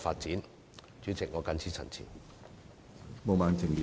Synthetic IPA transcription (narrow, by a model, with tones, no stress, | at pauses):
faː˧t̚t͡siː˨˥n | t͡ʃyː˨˥t͡sɪ˨k̚ŋɔː˨˧kɐ˧nt͡sʰiː˨˥t͡sʰɐ̰˨˩nt͡sʰḭː˨˩n | mo˨˧wmaː˨˧nt͡sʰɪ˨˩ŋli˨